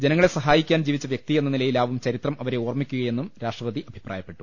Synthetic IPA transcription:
d͡ʑe̞nɐŋːɐɭe̞sɐɦaːjikʲːaːnd͡ʑiːʋit͡ɕːɐʋjek̚t̪ienːɐnilɐjilaːʋumt͡ɕɐɾit̪rɐmʔɐʋɐɾe̞oːrmikʲːuɣɐje̞nːumɾaːʂʈrɐʋɐðiʔɐbʱi̥praːjɐpːe̞ʈːu̥

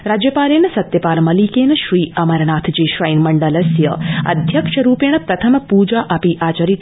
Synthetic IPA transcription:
ɾaːd͡ʒjəpaːlenɐsɐt̪jəpaːlmɐlikenʃɾiːɐmɐɾnaːt̪ʰd͡ʒeʃɾəjnmɐɳɖələsjəɐ̰d̪ʱjəkʃəɾupeɳ̃əpɾɐt̪ʰəmpud͡ʒaʔapiʔaːt͡ʃəɾi

